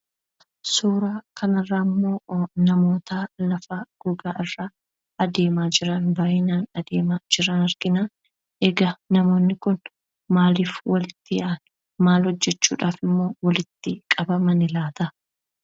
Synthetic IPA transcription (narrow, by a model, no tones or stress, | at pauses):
suːɾaːkɐnɐrːaːmːo̞ːnɐmo̞ːt̪alɐfaɡ̥ɔɡaːʔɪrːaː | ɐd̪e̞ːmaːd͡ʒɪɾɐnbaːʔɪnaːnɐd̪eːmaːd͡ʒɪɾɐnɐɾɡɪnaː | ʔɛɡɐnɐmo̞ːnːɪkʊn | maːliːfwɐlɪt̪ːɪjɐʔn | maːlhɔd͡ʒːɛt͡ʃːṵːᶑaːfɪmːo̞ːwɐlɪt̪ːɪkʼɐbɐmɐnɪlaːt̪ɐ